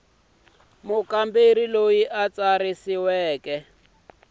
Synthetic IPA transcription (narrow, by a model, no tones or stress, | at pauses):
mʊkambeɾilojiʔat͡saɾisiwɛːkɛ